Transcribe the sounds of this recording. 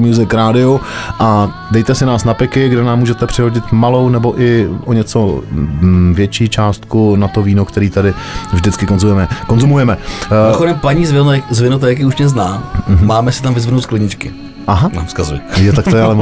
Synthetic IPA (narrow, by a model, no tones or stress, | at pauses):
mjuːzɪkɾaːdɪoʔa | dɛjt̪ɛsɪnaːsnapɪkɪɡdɛnaːmːuːʒɛt̪ɛpr̥ɪɦoɟɪt̪malo̞wnɛbo̞ʔɪʔoɲɛt͡so̞ | vjɛt͡ʃiːt͡ʃaːst̪kunat̪oviːnokt̪ɛɾiːt̪adɪvʒdɪt͡skɪko̞nzumjɛmɛkonzumujɛmɛxodɛmpaɲiːzvɪtzvɪnot̪̬ajak̬iuʃɛznaːɦ̩maːmɛsɪt̪amvɪzvɪnowt̪klɪɲɪt͡ʃkɪ | ʔaɦanamskazuɪjɛt̪akt̪oɪalɛ